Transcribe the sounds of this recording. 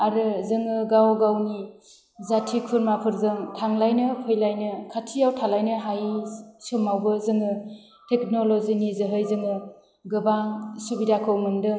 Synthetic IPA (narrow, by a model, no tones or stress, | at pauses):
aɾɯzɯŋɯɡawɡawni | zatʰikʰuɾmapʰɯɾzɯŋtʰaŋlajnɯpʰɯjlajnɯkʰatʰijawtʰalajnɯɦajsomawbɯzɯŋɯ | tʰek̚nolozinizɯɦɯjzɯŋɯ | ɡɯbaŋsubidakʰɯwmɯŋdɯ